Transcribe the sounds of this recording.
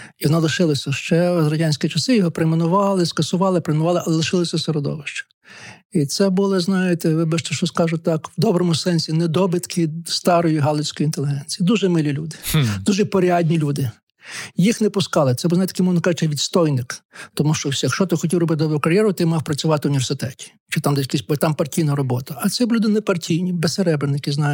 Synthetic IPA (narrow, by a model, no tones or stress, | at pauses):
ʋɔnɑlˠɪʃɪlˠɐsʲɐʃt͡ʃɛzɾɐdʲanʲsʲkʲit͡ʃɐsɪjɔɦɔpɾemenʊʋɑlˠɪskɐsʊʋɑlˠɪpɾemenʊʋɑlˠɪʔɐlˠɛlˠɪʃɪlˠɐsʲɐsɔɾɔd̪ɔ̰ʋɪʃt͡ʃɛ̥ | it̪sɛbʊlˠɪznɑjɪt̪ɛʋɪbɛʃt̪ɐʃt͡ʃɔskɑʒʊt̪ːɑkwd̪ɔbɾɔmʊsɛnʲsʲinɛd̪ɔbɪt̪kʰɪst̪ɑɾɔjiɦɑlˠɔsʲkɔjint̪elʲˠɪɦɛnʲt͡sʲijid̪uʒɛmɪlʲilʲud̪ɪ̥d̪uʒɛpɔɾʲɑd̪ʲnʲilʲud̪ɪ | jixnɛpʊskɑlˠɪt̪sɛbulˠzɑjt̪ɐkɪmɔʋnɔkɑʒɪt͡ʃɛʋʲid̪st̪ɔjnɪkt̪ɔmuʃt͡ʃɔwsʲjɐkʃt͡ʃɔt̪ɪxɔtʲiwˠɾrɔbɪt̪d̪ɔbɾʊkɐɾʲjɛɾʊt̪ɪmɑwpɾɐt͡sʲʊʋɑt̪ɪʊnʲiʋersɪt̪ɛtʲi̥ | t͡ʃɪt̪ɑmd̪ɛjɐkʲisʲpt̪ɑmpɐrtʲijnɐɾɔbɔt̪ɐɐt̪sɛbʊlʲud̪ɪnɛpɐrtʲʰijnʲibesseɾɛbɾɪnɪkɪznɑj